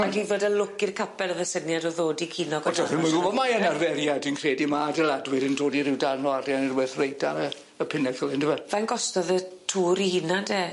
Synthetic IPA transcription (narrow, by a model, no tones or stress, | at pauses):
madiðoːdəlʊkɪrkʰapʰɛlˠəvəsənjadɔðoːdikʰinɔɡɔdɔɪnmaɡʊbɔmaənarvɛɾjadinkʰreːdimaːdəlˠadwɪɾəndoːdiɾɪwdanɔaɾjanirwɛθrejdʰaɾə | əpʰɪnɛkəlˠɪndɪmavanɡɔstɔðətʰuːɾihɪnade